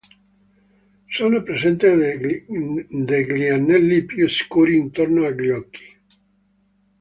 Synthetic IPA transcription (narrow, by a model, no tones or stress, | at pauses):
sonopɾesɛnt̪e | d̪eɡlianːɛlːipjusi̥kuːɾiːnt̪ornoaɡljɔkːi̥